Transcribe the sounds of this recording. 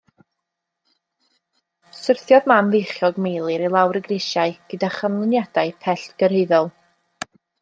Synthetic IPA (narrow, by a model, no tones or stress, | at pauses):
sɪrθjɔðmamvejχjɔɡmejlˠɨɾilˠawɾəɡrɪʃaɨɡ̥ədaχəmlˠɪnjad̥aɨpʰɛɬtɡ̥əɾeðɔlˠ